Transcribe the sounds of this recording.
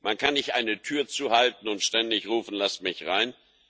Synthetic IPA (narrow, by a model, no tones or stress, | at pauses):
mankʰanːɪçʔaɪnətʰyːɐt͡suːhaltn̩ʊntʃtɛndɪçʁuːfn̩lasmɪçʁaɪn